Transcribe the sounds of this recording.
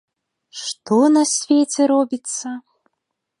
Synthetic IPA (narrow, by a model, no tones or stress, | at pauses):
ʂt̪ɔnɐsʲvʲet͡sʲɛɾɔbʲit̪sːɐ